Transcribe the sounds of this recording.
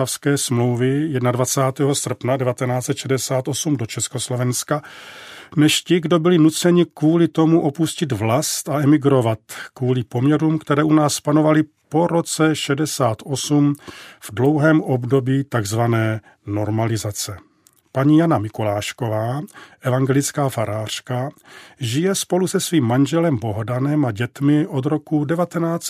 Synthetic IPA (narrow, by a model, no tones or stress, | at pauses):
afskɛːsmlo̞wvɪjɛdnadvat͡saːt̪ɛːɦo̞sr̩pnadɛvat̪ɛnaːt͡sɛt̪ʃɛdɛsaːt̪o̞sumdo̞t͡ʃɛskoslo̞vɛnska | nɛʃcɪɡdo̞bɪlɪnut͡sɛɲɪkvuːlɪt̪o̞muʔo̞puscɪd̪vlast̪aɛmɪɡɾo̞vat̪kvuːlɪpo̞mɲɛɾuːmkt̪ɛɾɛːʔunaːspano̞valɪ | po̞ɾo̞t͡sɛʃɛdɛsaːt̪o̞sumv̥dlo̞wɦɛːmʔo̞bdo̞biːt̪aɡzvanɛː | no̞ɾmalɪzat͡sɛ | paɲiːjanamɪkolaːʃko̞vaːʔɛvaŋɡɛlɪt͡skaːfaɾʔaːr̝̥kaʒɪjɛspo̞lusɛsviːmːanʒɛlɛmbo̞ɦodanɛmaɟɛt̪mɪʔod̪ɾo̞kudɛvat̪ɛnaːt͡s